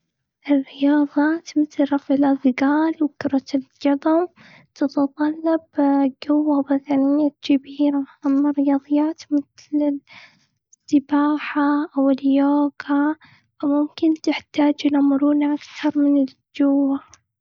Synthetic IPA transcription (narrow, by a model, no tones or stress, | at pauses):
ʔɪrːɪjɑːðˤɑːt̪mɪθlɾˤɑfʕɪlʔaðˤɡaːlwkʊɾˤɑt̪ɪld͡ʒɑðˤʊm | t̪ɑt̪ɑt̪ˤɑlːɑbɡʊwːabad̪anɪjːad͡ʒabiːɾaʔamːarːɪjɑːðˤɨjːaːt̪mɪθlɪ | sːɪbaːħaʔawɪljoːɡa | famʊmkɪnt̪ɪħt̪aːd͡ʒʔɪnʕmʊɾuːnaʔakt̪ɑɾˤmɪnɪl | d͡ʒʊwːa